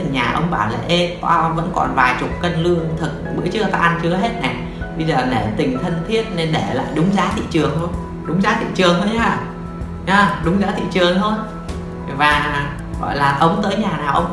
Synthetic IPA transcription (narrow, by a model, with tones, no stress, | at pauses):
ɨ˨˩ɲaː˨˩ʔə˧wŋ͡mɓaː˧˩wla̰ː˨˩ʔe˧a˧və̰˧˥nkɔ̰˨˩nvaː˨˩jt͡ɕʊ˨˩k͡p̚kə˧nlɨ˧əŋt̪ʰɨ˨˩k̚ɓɨ̰˧˥ət͡ɕɨ˦˥ət̪aː˧ʔa˧nt͡ɕɨ˨˦əɦe˦˥t̚na˨˩ | ɓə˧jzəː˨˩ne˧˩mt̪ï˨˩ŋ̟t̪ʰə˧nt̪ʰi˦˥ət̚ne˧nɗe˧˩la̰ː˧˨jɗʊ˨˦ŋ͡mzaː˨˦t̪ʰḭ˧˨t͡ɕɨ˨˩əŋlən | ɗʊ˨˦ŋ͡mzaː˨˦t̪ʰḭ˧˨t͡ɕɨ˨˩əŋt̪ʰo˧jhaː˧˩ | a˨˧˩ɗʊ˨˦ŋ͡mzaː˨˦t̪ʰḭ˧˨t͡ɕɨ˨˩əŋt̪ʰo˧j | vaː˨˩ | ɣɔ̰˧˨jlaː˨˩ʔə˨˦wŋ͡mt̪əː˨˦jɲaː˨˩naː˨˩wʔə˧wŋ͡m